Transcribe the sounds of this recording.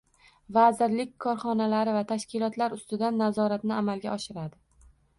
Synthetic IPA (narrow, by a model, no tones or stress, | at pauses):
vazɪɾlɪk̚ʲkʰɒɾχɒnalaɾɪvat̪ʰaʃkʲɪlɒt̪laɾʊst̪ɪd̪anːazɒɾat̪nɪamalɡʲaɒʃɪɾad̪ɪ